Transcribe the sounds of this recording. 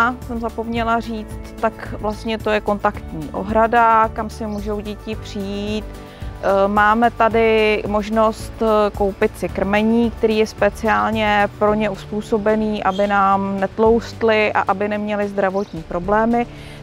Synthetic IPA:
asɛmzapo̞mɲɛlariːt͡st̪ːakvlast̪ɲɛt̪o̞jɛko̞nt̪akt̪ɲiːʔo̞̰ɦɾadakamsɪmuːʒowɟɛcɪpr̝̥ɪjiiːt̪ | maːmɛt̪adɪmo̞ʒno̞st̪ko̞wpɪt̪sɪkr̩mɛɲiːkt̪ɛɾiːjɛspɛt͡sɪaːlɲɛpɾo̞ɲɛuspuːso̞bɛniːʔabɪnaːmnɛt̪lo̞wst̪lɪʔa̰ʔabɪnɛmɲɛlɪzd̪ɾavo̞t̪ɲiːpɾo̞blɛːmɪ

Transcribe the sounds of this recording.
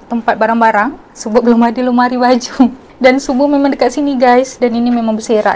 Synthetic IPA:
t̪əmpat̪̚baɾaŋbaɾaŋ | səbablomadilomaɾibad͡ʒu | dansubumemaŋdəkat̪̚siniɡajsdaninimemaŋbəseɾa̰

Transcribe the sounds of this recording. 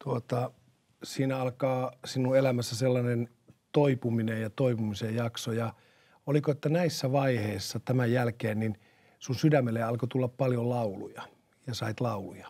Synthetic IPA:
t̪uot̪ɑ | siːnæɑlkɑːsinuelæmæsːæselːɑnen | t̪oipuminejɑt̪oipumisejjɑksojɑ | olikoet̪ːænæisːæʋɑiheisːɑt̪æmæjjælkeːnnin | sunsydæmːelːeɑlkot̪ulːɑppɑljollɑulujɑ | jɑsɑit̪lɑulujɑ̥

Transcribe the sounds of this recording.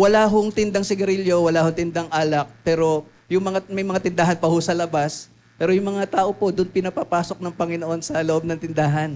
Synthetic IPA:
wɐlaːɦoŋt̪ɪnd̪aŋsɪɡɐɾiljo̞wɐlaːhot̪ɪnd̪aŋʔaːlɐk̚pɛːɾo̞ | jʊŋmɐŋamɐjmɐŋat̪ɪnd̪aːɦɐnpɐhʊsɐlɐbas | pɛːɾojʊŋmɐŋat̪aːʔo̞po̞d̪ʊnpɪnɐpɐpaːso̞k̚nɐŋpɐŋɪno̞ʔo̞nsɐloʔo̞b̚nɐŋt̪ɪnd̪aːɦɐn

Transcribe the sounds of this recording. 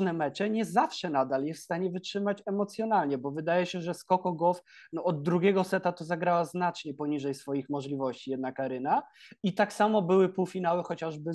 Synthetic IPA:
nɛmɛt͡ʂɛɲɛzafʂɛnad̪aljɛsfst̪aɲɛvɘtʂɘmat͡ɕɛmɔt̪sʲjɔnalɲɛbɔvɘd̪ajɛɕɛʐɛskɔkɔɡɔfnɔɔd̪ːɾuɡʲɛɡɔsɛt̪at̪ɔzaɡɾawaznat͡ʂɲɛpɔɲiʐɛjsfɔjixmɔʐlʲivɔɕt͡ɕijɛd̪nakaɾɘnait̪aksamɔbɘwɘpuwfʲinawɘxɔt͡ɕaʐbɘ

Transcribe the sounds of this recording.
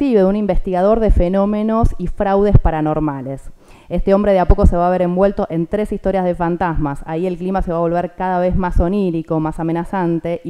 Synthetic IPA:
iβeðunimbe̞st̪iɣað̞o̞ɾðe̞feno̞me̞no̞sifɾawðespaɾano̞ɾmale̞s | est̪eo̞mbɾe̞ðeapo̞ko̞se̞βaːβ̞eɾe̞mbwe̞lt̪o̞ʔe̞nt̪ɾe̞sist̪o̞ɾjazð̞e̞fant̪azmasaie̞lklimase̞βaβo̞lβeɾkaðaβ̞ezmaso̞niɾiko̞masame̞nasant̪e̞

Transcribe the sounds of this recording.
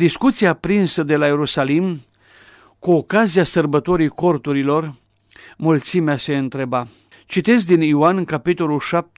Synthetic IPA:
d̪iskut̪siaːpɾinsəd̪e̞laje̞ɾusalim | kuokaziasərbət̪o̞ɾijko̞rt̪uɾilo̞r | mult̪simease̞ɨnt̪ɾe̞ba | t͡ʃit̪e̞zd̪inioankapit̪o̞lulʃap̚t̪

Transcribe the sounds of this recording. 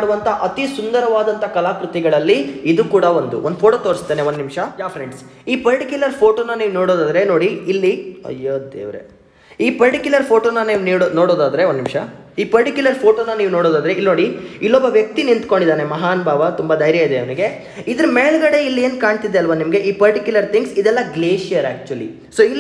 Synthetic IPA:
ɽuʋɐnt̪ʰɐʔɐt̪isund̪ɐɾɐʋaːd̪ɐnt̪ʰɐkɐlaːkɾut̪iɡɐɭɐlːiid̪ukuːɽɐond̪uʔond̪upʰoːʈoːt̪oːɾist̪ːeːneond̪nimʂɐd͡ʒaːfʰɾeɳɖs | iːpɐɾʈikʲjulɐɾpʰoːʈoːnɐniːʋuno̞ːɽoːd̪aːd̪ɐɾe̞no̞ːɽiilːiɐ̰jːod̪ḛːʋɾḛ | iːpɐɾʈikjulɐɾpʰo̞ːʈoːnːɐniːʋuniːɽnoːɽoːd̪aːd̪ɐɾe̞onnimʂɐ | iːpɐɾʈikjulɐɾpʰo̞ːʈonːɐniːʋunoːɽoːd̪aːd̪ɐɾe̞ilno̞ːɽiilːɔbːɐʋjɐk̚t̪inint̪ko̞ɳɖid̪aːne̞mɐɦaːnɐbʱaːʋɐt̪umbad̪ɐjɾjɐid̪eɐʋniɡe̞ | id̪ɐɾumeːɭɡɐɽe̞ilːie̞ːnkaːɳt̪id̪eɐlːʋaːnimɐɡe̞ʔiːpɐɾʈikjulɐɾt̪ʰiŋɡsid̪ɛlːɐɡleːʃijɐɾæ̰ːk̚t͡ʃuɐlḭ | soːilː

